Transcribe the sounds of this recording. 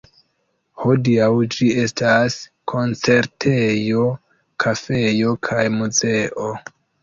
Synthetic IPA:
hodiawd͡ʒie̞stas | kʰo̞nt͡se̞ɾtʰe̞jo̞ | kʰafe̞jo̞kʰajmuze̞ʔo̞

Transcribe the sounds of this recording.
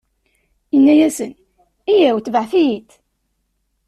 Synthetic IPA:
jənːæjæsən | ijæwθvəʕθijit̪

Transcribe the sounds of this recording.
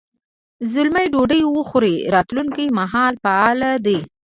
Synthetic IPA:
zʊlmajɖoɖəjwəxoɾeɾɑt̪luŋkijmaɦɑlfaɑlad̪e

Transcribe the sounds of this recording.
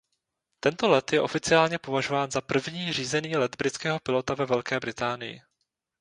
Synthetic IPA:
t̪ɛnt̪o̞lɛt̪jɛʔo̞fɪt͡sɪaːlɲɛpo̞vaʒo̞vaːnzapr̩vɲiːr̝iːzɛniːlɛd̪bɾɪt͡skɛːɦo̞pɪlo̞t̪avɛvɛlkɛːbɾɪt̪aːnɪjɪ̰

